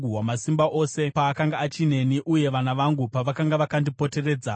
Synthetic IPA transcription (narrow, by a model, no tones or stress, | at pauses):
uɦwamasimbaʔo̞se̞paːkaŋɡaːt͡ʃine̞niʔuje̞ʋanaʋaŋɡupaʋakaŋɡaʋakandipo̞te̞re̞ːd͡za